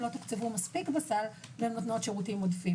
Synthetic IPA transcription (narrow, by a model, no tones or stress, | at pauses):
lo̞t̪ukt͡sevumaspikbasalbenmat̪no̞t̪ʃeʁut̪imodfi